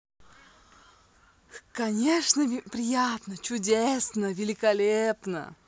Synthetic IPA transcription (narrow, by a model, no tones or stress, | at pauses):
kɐnʲeʂnəpɾʲɪjat̪nət͡ɕʊdʲesnəvʲɪlʲɪkɐlʲepnə̰